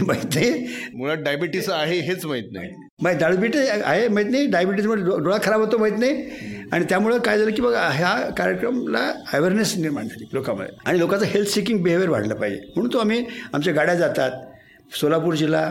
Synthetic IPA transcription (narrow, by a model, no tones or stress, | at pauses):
məit̪najmulaɖajbiʈisaɦeɦet͡sməɦit̪̚na̰j | mait̪̚d̪aɭubiʈia̰ɦemaɦit̪̬najɖajbiʈ̬is̬muodoɭakʰəɾabʱɦot̪oməit̪najaɽ̃it̪jamuɭekajd͡zalək̬ĩw̃ʋaɦjakaɾjekɾəmla̰əʋeɾnesniɾma̰ɳd͡zaliːlokamə̰d̪ʱea̰ɽ̃ilokat͡səɦelt̪ʰsikiŋɡ̚beɦeʋeɾʋ̤a̰ɽləpaɦid͡ʑḛm̤əɽ̃uːnt̪oam̤iːamt͡ɕaɡaɽjad͡zat̪at̪̚ | solapuːɾd͡ʑila